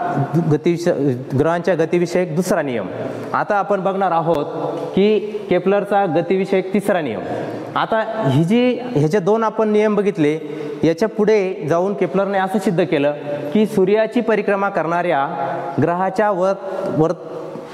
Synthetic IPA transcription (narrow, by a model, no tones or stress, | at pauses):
ɡət̪iʋiəɡɾəɦãɲt͡ɕjaɡət̪iʋiɕəjek̚d̪usɾanijə̰m | a̰t̪aːpəɳbəɡɳaɾaɦot̪̚kiːkepləɾt͡saɡət̪iʋiʂəjek̚t̪isɾanḭjə̰m | at̪aɦid͡ʑiːɦjat͡ɕad̪onapəɳːijəmbəɡʱit̪le | jat͡ɕjapuɽ̤ed͡zauːnkepləɾneəsəsid̪ːəkeləːkiːsuɾjat͡ɕiːpəɾikɾəmakəɾɳaɾjaɡɾəɦat͡ɕjaʋət̪ʋəɾt̪